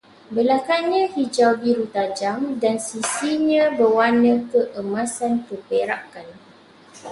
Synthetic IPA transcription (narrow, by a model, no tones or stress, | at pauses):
bəlakanɲãhid͡ʒawbiɾut̪ad͡ʒaŋdansisiɲãbəwanə̃kəʔəmãsankəpeɾa̰kan